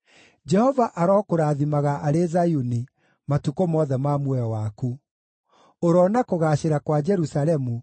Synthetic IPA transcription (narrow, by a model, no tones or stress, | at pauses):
d͡ʒɛhɔvaʔaɾɔːkoɾaːðimaɣaʔaɾezajuni | matukomɔːðɛmamwɛɔwaku | oɾɔnakoɣaːʃeɾakwad͡ʒɛɾusaɾɛmu